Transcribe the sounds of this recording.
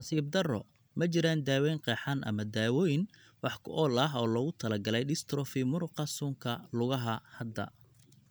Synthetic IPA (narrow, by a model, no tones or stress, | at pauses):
nɐsiːb̚d̪ɐrɔ | mɐt͡ʃɪɾaːnd̪aːwɛjŋqɛːħanʔɐ̰mɐd̪aːwɔjn | wɑħkʰʊ̰ʔɔːlɐɦɔːlɔɣʊt̪ʰɐlɐɡɐlɛjɖɪst̪ʰɾɔfɪmʊɾʊqɑsʊŋkʰɐlʊɣɐɦɐhɐd̪ɐ̰